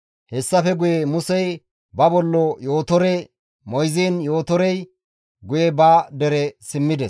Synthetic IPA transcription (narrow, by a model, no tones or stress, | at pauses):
hɛsːɐfɛɡʊjemʊsɛj | bɐbɔlːɔjo̞ːt̪ɔɾɛ | mɔjziːnjo̞ːt̪ɔɾɛj | ɡʊjɛbaːd̪ɛɾɛsɪmːɪd̪ɛs